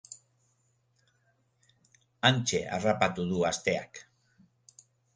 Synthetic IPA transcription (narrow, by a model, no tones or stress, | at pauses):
anʲt͡ʃḛʔa̰rapat̪uðuast̪ea̰k